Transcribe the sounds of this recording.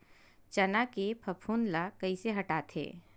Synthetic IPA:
t͡ʃɐnakepʰɐpʰuːnlakɐiseɦɐʈaːt̪ʰḛː

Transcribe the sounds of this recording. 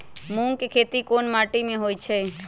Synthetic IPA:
muŋɡkekʰet̪ikonmaʈimẽɦojt͡ʃʰe

